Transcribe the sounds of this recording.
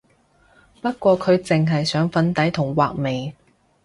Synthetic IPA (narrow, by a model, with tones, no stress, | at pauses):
pɐ˥t̚kʷɔː˧kʰɵ˨˧ɥt͡sɪ˨ŋɦɐ˨jsœː˨˥ŋfɐ˧nt̪ɐ˨˥jt̪ʰʊ˨˩ŋwaː˨k̚me˨j